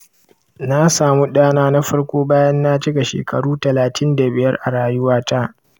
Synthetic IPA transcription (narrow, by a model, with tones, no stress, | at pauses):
na˦saː˨mu˦ɗaː˦naː˦na˦ɸɐ˦ɽkʷoː˦baː˦jɐ˦nːa˦t͡ʃɪ˦ɡa˨ʃḛː˨kɐ̰˨ɽuː˦tɐ˨laː˨tʰɪ˦nda˨bɪ˨jɐ˦rʔa˨ɽaː˦jʊ˦waː˦ta˦ʔ